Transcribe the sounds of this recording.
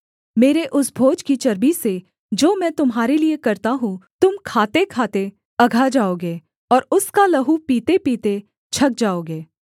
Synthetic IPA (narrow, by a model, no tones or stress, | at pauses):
meːɾeʔʊsbʱoːd͡ʒkit͡ʃɐɾbise | d͡ʒoːmɛ̃ːt̪ʊmɦaːɾeliekɐɾt̪aɦũt̪ʊmkʰaːt̪ekʰaːt̪e | ɐɡʱad͡ʒaːoːɡeː | ɔːɾʊskalɐɦupiːt̪epiːt̪e | t͡ʃʰɐk̚d͡ʒaːoːɡeː